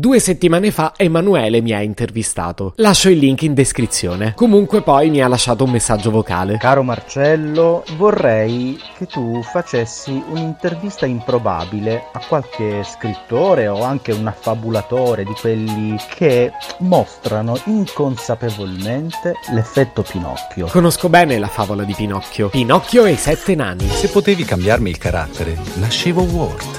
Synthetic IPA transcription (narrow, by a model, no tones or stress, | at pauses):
d̪uːeset̪ːimaːnefaemːanuɛːlemiaint̪ervist̪a̰ːt̪olaʃːoilːiŋkind̪eskɾit̪sːjoːnekomuŋkwepɔjmialːaʃːaːt̪oumːesːad͡ʒːovoka̰ːlekaːɾomart͡ʃɛlːovorːɛjket̪ːufat͡ʃesːiunint̪ervist̪aimpɾoba̰ːbileakwalkeskɾit̪ːoːɾeoaŋk̟eunafːabulat̪oːɾed̪ikwelːikʰemost̪ɾanoiŋkonsapevolment̪elefːɛt̪ːopinɔ̰kːjokonoskobɛːnelafaːvolad̪ipinɔkʰːjopinɔkːjoesɛt̪ːena̰nːisepːot̪eːvikambjarmiilkaɾa̰t̪ːeɾenaʃːeːvowɔ̰rt̪